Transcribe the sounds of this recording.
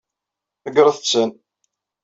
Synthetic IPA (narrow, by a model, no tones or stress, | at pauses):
θəɡɾəθət͡sːən